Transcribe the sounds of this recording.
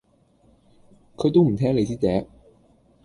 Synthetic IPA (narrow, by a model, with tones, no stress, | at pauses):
kʰɵ˨˧˥t̪o˥wm̩˨˩t̪ʰɛː˥ŋle˨˧jt͡siː˥t͡sɛː˨˥